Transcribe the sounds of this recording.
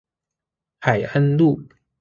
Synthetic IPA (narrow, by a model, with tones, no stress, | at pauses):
xa˨˩ɪa˥nlu˥˩